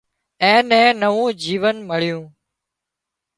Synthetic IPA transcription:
ɛ̃ːnɛ̃ːnəʋũːd͡ʒiːʋənmɪɭ̤ɪjũː

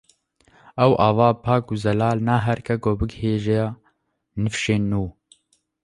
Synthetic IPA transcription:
ɛwʔɑːvɑːpʰɑːkuzɛlaːlnaːɦɛɾkɛɡoːbɨɡheːʒɛ | nɨfʃeːnːuː

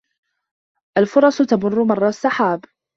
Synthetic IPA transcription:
ʔalfʊɾˤɑst̪amʊrːʊmɑrˤːɑsːaħaːb

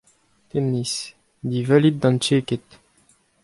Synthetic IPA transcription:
t̪emnis | d̪ivœlit̪̚d̪ɑ̃nt͡ʃeket̪

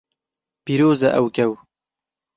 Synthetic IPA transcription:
piɾoːzaʔawkaw

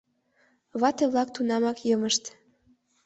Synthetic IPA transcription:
βɑt̪eβlɑk̚t̪unɑmɑkjɤməʃt̪

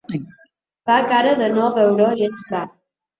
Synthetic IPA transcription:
bakaɾəðənɔβɛwɾoʒensba

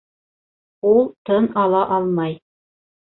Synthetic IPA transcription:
ulˠt̪ɤnɑlˠɑʔɑlˠmɑj

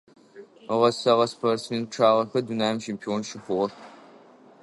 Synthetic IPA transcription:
ʁɐsɐʁɐspʰɐrsmiːʈ͡ʂʰaːʁɐxɐdunaːmʃʰempʰioːnʃɪxʷʊʁɐ

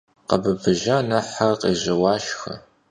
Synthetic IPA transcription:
qɐbɨbɨʒaːnɐħaqḛːʑɐwɑːʃxɐ̰

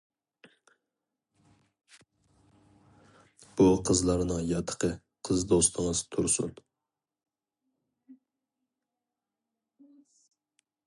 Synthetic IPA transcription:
b̥uqʰəzlˠɑɾnɨŋjɑt̪ʰə̥qʰə | qʰəzd̪ost̪ʰəŋəz̥t̪ʰuɾsṵn

